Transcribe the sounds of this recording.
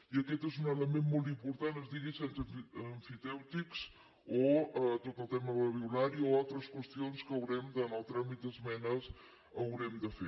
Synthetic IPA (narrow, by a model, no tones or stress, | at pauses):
iəkɛt̪ezunələmenmolˠt̪̬impuɾt̪anəzðiɣisensəɱfit̪ɛwt̪ikz | oət̪ot̪əlˠt̪ɛməβəβiunaɾioalˠt̪ɾəskwəst̪ionskəwɾɛmd̪ənəlˠt̪ɾamit̪̚d̪əzmɛnəs | əwɾɛmd̪əfe